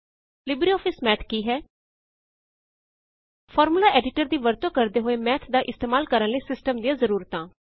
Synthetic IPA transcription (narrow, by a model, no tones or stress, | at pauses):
lɪbɾiːɔːpʰɪsmɛːt̪ʰkiːɦɛː | pʰɔːɾmulaːʔɛːɖɪʈəɾd̪iːʋəɾt̪õːkəɾd̪eːɦoːeːmɛːt̪ʰd̪aːʔɪst̪eːmaːlkəɾənləiːsɪsʈəmd̪ijãːzəɾuːɾət̪ãː